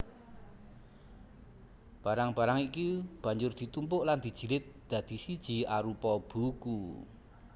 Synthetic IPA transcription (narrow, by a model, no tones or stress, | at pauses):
b̥a̤ɾaŋb̥a̤ɾaŋikib̥a̤ɲd͡ʒʊrd̪̥i̤t̪umpʊʔland̪̥i̤d̥ʒ̥i̤lɪt̪̚d̪̥ä̤d̪̥i̤sid̥ʒ̥i̤aɾupɔb̥uku